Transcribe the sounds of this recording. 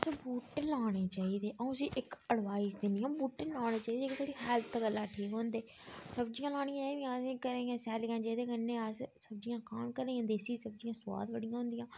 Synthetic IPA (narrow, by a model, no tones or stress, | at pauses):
sbuːʈːẽlaːɽ̃eːt͡ʃaːiːd̪eːʔə̃siːʔɪkəɽʋaːɪzd̪enijãːbuːʈːelaːɽ̃eːt͡ʃaːiːd̪eksaːɽiːhɛːlt̪ʰɡəlːaːʈʰiːkɦõːnd̪eːsəbd͡ʒɪjãːlaːɽ̃ijãːd̪ijãːĩːkəɾeãːsɛːljãːd͡ʒeːd̪eːɡənːẽːassəbd͡ʒijãːkaːmkəɾeãːd̪eːsiːsəb̚d͡ʒijãːswa̰ːd̪ʋəɽɪjãːɦʊ̃nd̪ɪjãː